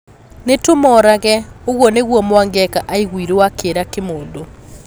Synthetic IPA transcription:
netomɔːɾaɣɛoɣwɔneɣwɔmowaŋɡɛkaʔaiɣwiɾewakeɾakemoːndo

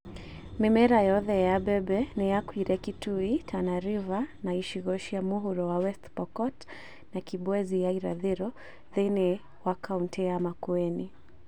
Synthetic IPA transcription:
mɛmɛɾajɔðɛjabɛbɛnɛjakwiɾɛkituitʰanaɾivanaiʃiɣɔʃiamuɦuɾɔwawɛstpɔkɔt | nakibwɛzijaiɾa̰ðɛɾɔ | ðɛnɛ | wakʰauntʰɛamakuɛni

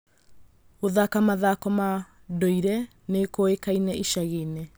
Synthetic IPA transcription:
oðakamaðakɔma | doiɾɛ | nekoekainɛʔiʃaɣene

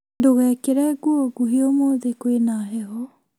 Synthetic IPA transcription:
doɣɛkeɾɛɡuɔɡuɦiomoðekwenaɦɛɦɔ

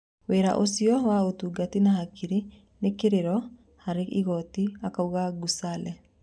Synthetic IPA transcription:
weɾa̰ʔosiɔwaotuɡatinahakʰiɾi | nekeɾeɾɔ | haɾeḭɣɔtiakauɣaɡusalɛ

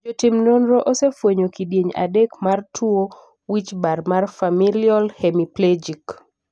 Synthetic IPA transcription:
d͡ʒotimnonɾɔʔosefwoɲokidjeɲa̰dekmartʰwo | wit͡ʃbarmarfamiliɔlhemipled͡ʒik

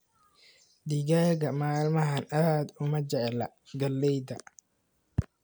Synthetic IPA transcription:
d̪iɡaɡɐmaːlmɐɦɐnɐðaːd̪ʊmɐd͡ʒɛʕɛlɐ | ɡɐlːɛjd̪ɐ

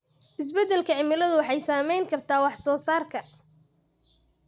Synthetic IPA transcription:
ʔɪs̬bɛd̪ːɛlkʰɐʕɪmɪlɐðʊwɑħɑjsaːmɛjŋkʰɐrt̪ʰaːwɑħsɔːsaːrkʰɐ

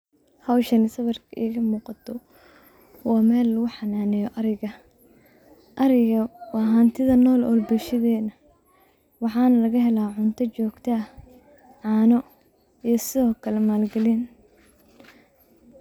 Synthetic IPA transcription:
hɐwʃɐnɪsɐβɐrkʰɐʔiːɣɐmuːqɑt̪ʰɔ | wɑːmɛːlːɐɣʊħɑnaːnɛjɔʔɐɾɪɣɐ | ʔɐɾɪɣɐwɑːɦɐnt̪ʰɪðɐnɔːlɔ̰ːlbɛʃɪðɛːnɐ | wɑħɑːnɐlɐɣɐɦɛlaːʕʊnt̪ʰɐt͡ʃɔːɡt̪ʰɐɐ | ʕɑːnɔ | ijɞsɪðɔːkʰɐlɛmaːlɡɐlin

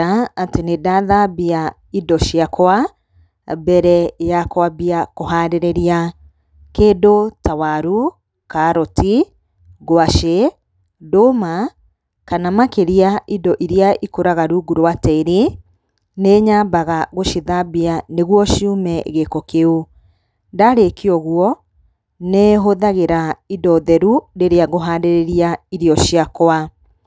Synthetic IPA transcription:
aatenedaðabia | idɔʃiakoa | bɛɾɛjakwabiakoɦaːɾeɾeɾia | kedotawaɾu | kaɾɔtʰi | ɡoaʃe | doma | kanamakeɾiaʔidɔʔiɾiaʔikoɾaɣaɾuɡuɾowatɛɾi | neɲabaɣaɣoʃiðabianeɣwɔʃiumɛɣekɔkeo | daɾekiɔɣwɔ | neɦoðaɣeɾaidɔðɛɾuɾeɾeaɣoɦaːdeɾeɾiaiɾiɔʃiakoa

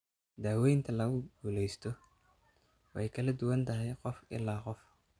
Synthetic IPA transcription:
d̪aːwɛjnt̪ʰɐlɐɣʊɡuːlɛjst̪ʰɔ | wɛ̰jkʰɐlɐd̪ʊwɐnt̪ʰɐɦɛjqɔfɪ̰lːaːqɔf

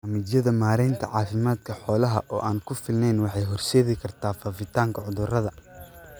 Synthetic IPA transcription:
ɐmɪdjɐðɐmaːɾɛnt̪ʰɐ̰ʕɑːfɪmaːd̪kʰɐħɔːlɐɦɐʔɔːʔaːŋkʰʊfɪlnɛnwɑħɑjɦɔrʃɛːðɪkʰɐrt̪ʰaːfaːfɪt̪ʰaːŋkʰɐʕʊðʊrɐðɐ

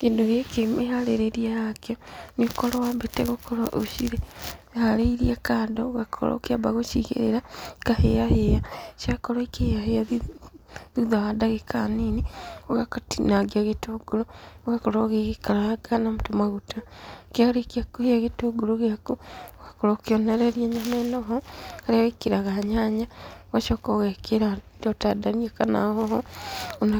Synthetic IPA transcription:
kindoɣekemehaleɾeɾijaakjoniokolowabeteɣokʰoloʔoʃiɾehaleiɾiakaːdoɣakʰo̰lo̰kiabaɣoʃiɣḛɾeɾakahḛjahejaʃakoloikejaheja | ðiðaɣadaɣekʰaninioɣakatinaɡiaɣetoɡulooɣakoloɣiɣikalaɡanamutomaɣutakialikakuheaɣetuɡuloɣakuoɣakoɾokioneɾeɾjeɲamenoɦoaɾaɣikiɾaɣaɲaːɲaɣaʃokoɣekeɾa | dotadaniekana̰hohoona

